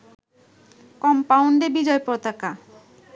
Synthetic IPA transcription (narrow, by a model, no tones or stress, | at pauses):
kɔmpawɳɖebid͡ʑɔepɾot̪aka